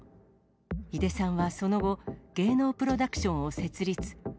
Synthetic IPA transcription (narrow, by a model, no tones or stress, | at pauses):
id̪e̞sãɰ̃βaso̞no̞ɡo̞ɡ̥e̞ːno̞ːpɯ̟ɾo̞d̪akɯ̟̥ɕõ̞ɰ̃o̞se̞t͡sɨɾʲit͡sɨ̥